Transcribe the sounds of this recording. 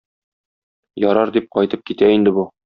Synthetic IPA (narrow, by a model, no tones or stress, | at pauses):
jɒɾɑɾd̪ip̚qɒjt̪ɤp̚kit̪æind̪ɘ̆bu